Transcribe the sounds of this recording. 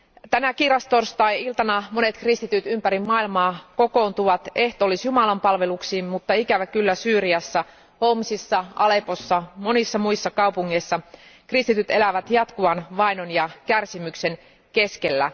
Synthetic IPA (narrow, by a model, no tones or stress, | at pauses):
t̪ænækirɑst̪orst̪ɑijilt̪ɑnɑmo̞ne̞t̪krist̪it̪yt̪ympæɾimːɑilmɑːko̞ko̞ːnt̪uʋɑt̪e̞ht̪oːlisjumɑlɑmpɑlʋe̞luksiːmmut̪ːɑikæʋækylːæsyːɾiɑsːæ | homsisːɑɑle̞po̞sːɑmo̞nisːɑmuisːɑkɑupuŋːeisːɑkrist̪it̪yt̪e̞læʋæt̪jɑt̪kuʋɑnʋɑinonjɑkærsimykse̞n | keskelːæ̰